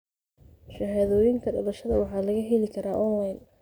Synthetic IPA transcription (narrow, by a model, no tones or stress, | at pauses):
ʃɐɦaːðɔːjɪŋkʰɐɖɔlɐʃɐðɐwɑħɑːlɐɣɐɦɛlɪkʰɐɾaːʔɔnlajn